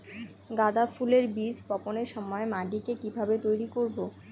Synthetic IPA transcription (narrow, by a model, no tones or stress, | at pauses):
ɡad̪afuleɾbid͡ʑpɔponeɾʃɔmɔemaɖikekibʱabet̪ojɾikoɾbo